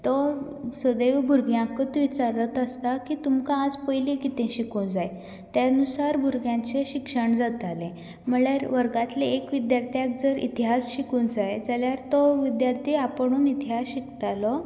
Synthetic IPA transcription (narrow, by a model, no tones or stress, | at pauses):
t̪ɔ | səd̪eʋbʱuɾɡjãkət̪ʋit͡saɾət̪əst̪akiːt̪umkãːd͡zpəjlikit̪ẽɕikũnd͡zaj | t̪janusaɾbʱuɾɡjãt͡ɕeɕikʂəɳd͡zat̪alẽ | m̤əɭjaɾʋəɾɡat̪leekʋid̪jaɾt̪ʰjak̚d͡zəɾḭt̪iɦasɕikũːd͡zajd͡zaljaɾt̪ɔʋid̪jaɾt̪ʰiapəɳ̃uːnit̪iɦasɕikt̪alɔ